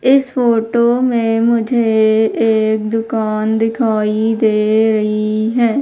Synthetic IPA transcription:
ɪspʰoːʈoːmẽːmʊd͡ʒʱeeːk̚d̪ʊkaːnd̪ɪkʰaːid̪eːɾəɦiɦɛː

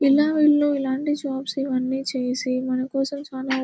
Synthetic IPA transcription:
ilaːʋiɭːuilaːɳʈid͡ʒaːpsiʋɐnːiːt͡ʃeːsimɐnɐkɔːsɐmt͡ʃaːlaː

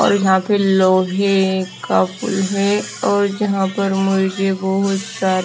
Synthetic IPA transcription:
ɔ̰ːɾjɐɦãpɪɾloːɦɛkapʊlɦɛ | ɔːɾd͡ʒɐɦãpɐɾmʊd͡ʒd͡ʒebɐɦʊt̪saːɾ

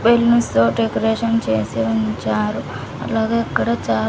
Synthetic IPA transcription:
belnust̪oːɖekoɾeːʂɐnt͡ʃeːsiuɲt͡ʃaːɾu | ɐ̰laːɡeːɐkːɐɽɐt͡ʃaː

